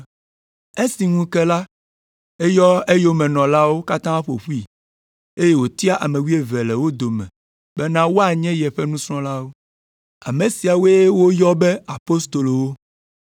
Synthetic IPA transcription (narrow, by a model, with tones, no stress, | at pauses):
e˦si˨ŋũ˦kɛ˦la˦ | e˦jɔ˦e˦jo˦mɛ̃˨nɔ̃˨la˦wo˦ka˦t̪ã˦ɸo̰˨ɸu˦i˦˨ | e˦je˦wo˨t̪i˦a˦ʔa˨mẽ˨wi˦e˦vɛ˨lɛ˨wo˦d̪o˨mɛ̰̃˨ | bɛ˦nã˦wo˦a˨ɲɛ̃˦jɛ˨ɸɛ˦nũ˦sɾ̃ɔ̃˦la˦wo˦ | a̰˨me˨si˨a˨wo˦e˦e˦wo˦jɔ˦bɛ˦a˨po˦st̪o˨lo˨wo˦